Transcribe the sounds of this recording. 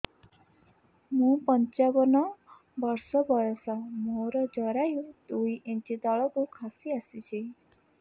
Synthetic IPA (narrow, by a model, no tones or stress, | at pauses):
mũpɔɲt͡ʃabɔnɔ | bɔɾsɔbɔɾɔsamoɾɔd͡ʒɔɾajũd̪uiʔẽt͡ʃit̪ɔɭɔkukʰasiasit͡ʃʰi